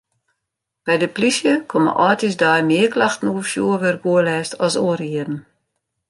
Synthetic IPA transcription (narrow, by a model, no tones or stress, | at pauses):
b̥ɛjdəplisjəkʰomə̰ʔɔːtisdaːjmɪːklaxtn̩ufjuːəʋɪrɡuəlɛːstɔsoərjiədn̩